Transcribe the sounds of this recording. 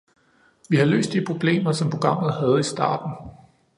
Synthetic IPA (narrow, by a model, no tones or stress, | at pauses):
ʋihɑ̈lø̰ːsd̥̚d̥ipʰʁo̝b̥le̝̰ːmɐsɒ̽mpʰʁo̝ɡ̥ʁɑ̈m̰ð̞̩ˠhæð̞̩ˠisd̥ɑ̰̈ːd̥n̩